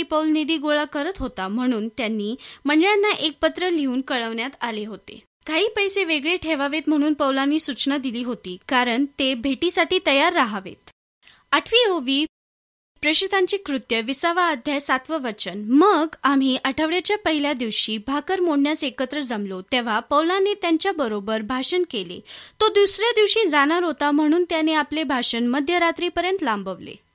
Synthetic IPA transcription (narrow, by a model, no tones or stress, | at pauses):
ipəwlnid̪iːɡoɭakəɾət̪ɦot̪am̤əɽ̃uːnt̪janːiːməɳɖɭjanːaʔek̚pət̪ɾəliuːnkəɭəʋɳjat̪aleɦot̪ḛ | kaɦiːpəjseʋeɡɭeʈʰeʋaʋet̪m̤əɽ̃uːnpəwlanːiːsut͡ɕnad̪iliːɦot̪iːkaɾəɳt̪ebʱeʈisaʈiːt̪əjaɾːaɦaʋḛt̪ | əʈʰʋiːoʋiː | pɾeɕit̪ʰãɲt͡ɕiːkɾut̪jəʋisaʋaːd̪ʱjajsat̪ʋəʋət͡ɕənməɡam̤iːʔəʈʰəʋɭjat͡ɕjapəɦiljad̪iʋɕiːbʱakəɾmoɽnjasekət̪ɾəd͡zamlot̪eʋ̤apəwlanet̪jaɲt͡ɕjabəɾobəɾbʱaʂənkelḛt̪od̪usɾjad̪iʋɕiːd͡zaɽ̃aɾɦot̪am̤əɽ̃uːnt̪janeaplebʱaɕənməd̪ʱjəɾat̪ɾiːpəɾjənt̪lãmbəʋlḛ